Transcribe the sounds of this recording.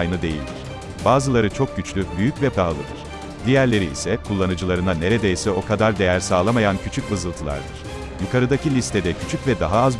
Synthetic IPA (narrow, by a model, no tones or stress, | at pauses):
jnɯd̪e̞jḭlʲd̪iɾ̥ | baːzɯlˠaɾɯt͡ʃʰo̞k̚ɟyt͡ʃlʲybyjycvɛpɾalˠɯd̪ɯ̰ɾ̥ | d̪ijæɾlʲe̞ɾiḭsɛkʰulˠːanɯd͡ʒɯlˠaɾɯnane̞ɾe̞d̪ejsɛo̞kʰad̪aɾd̪e̞jæɾsaːlˠamajancʰyt͡ʃʰycvɯzɯlˠt̪ʰɯlˠa̰ɾd̪ɯɾ̥ | jukʰaɾɯd̪acʰilʲist̪ʰɛd̪ɛcʰyt͡ʃʰycvɛd̪aɦaːz